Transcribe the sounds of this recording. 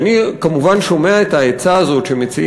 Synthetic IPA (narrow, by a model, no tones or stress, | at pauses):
nikamuvanʃo̞meaet̪ajet͡saːzo̞tʃemet͡si